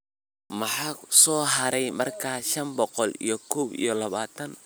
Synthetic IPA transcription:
mɑħɑːsɔːɦɐɾɛjmɐrkʰaːʃɐnbɔqɔlḭjɔkʰɔːbḭjɔlɐβaːt̪ʰɐn

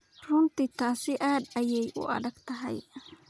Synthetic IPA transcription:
rʊnt̪ɪt̪aːsɪʔaːd̪ɐjɛjʔʊ̰ʔɐ̰ðɐɡt̪ɐɦɐ̰j

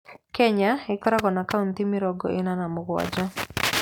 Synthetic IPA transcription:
kɛɲaɪkɔɾaɡɔnakaunt̪ɪmɪɾɔɡɔ̰ɪnanamʊɡwa̰d͡ʒa

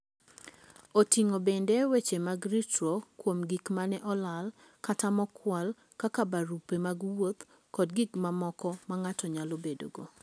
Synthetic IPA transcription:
otiŋobendewet͡ʃemaɡɾitɾokwomɡikmanɛʔɔlal | katamɔkʰwal | kakabaɾupemaɡwot̪ | kɔdɡikmamɔkɔmaŋatɔɲalobedo̰ɡo

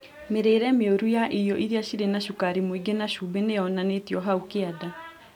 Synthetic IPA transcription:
meɾeːɾɛmeoɾujaʔijɔʔiɾiaɕiɾenaʃukaɾimoiɡenaʃubenejɔnanetiɔɦaukeada

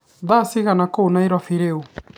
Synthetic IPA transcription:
ðasiɣanakonaiɾwafiɾeu

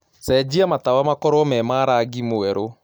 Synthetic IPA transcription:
sɛd͡ʑiamatawamakɔɾɔmɛmaːɾaɡimoɛɾo

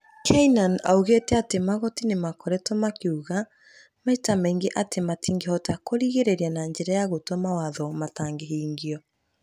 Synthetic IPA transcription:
kʰɛinana̰uɣetɛatemaɣɔtinemakɔɾɛtɔmakeuɣa | maitamɛiŋɡeʔatematiŋɡehɔtakoɾiɣeɾeɾianaɲd͡ʑɛɾajaɣotɔmawaðɔmataŋɡeɦiːŋɡiɔ

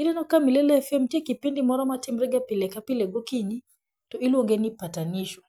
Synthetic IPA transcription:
ilɛnɔkamilɛlɛɛfɛm̩tiɛkipindimɔɾamatim̩ɾɛɡapilɛkapilɛɡɔkiɲi | tɔiliɔŋɡɛnipataniʃɔ

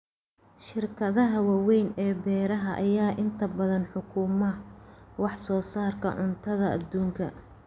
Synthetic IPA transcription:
ʃɪrkʰɐðɐɦɐwɑwɛjnɛːbɛːɾɐɦɐʔɐjaːʔɪnt̪ʰɐbɐðɐnħʊkʰʊmɐwɑħsɔːsaːrkʰɐ̰ʕʊnt̪ʰɐðɐʔɐ̰d̪ːuːŋkʰɐ̰

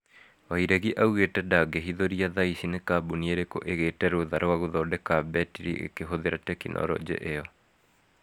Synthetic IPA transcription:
waiɾɛɣiʔauɣetɛdaɡeɦiðoɾiaðaisinekaːbunieɾeko̰ʔeɣetɛɾoðaɾowaɣoðɔdekabɛtiɾḭʔḛkeɦoðeɾatɛkinʔɔ̰ɾɔ̰d͡ʑɛ̰ʔeɔ

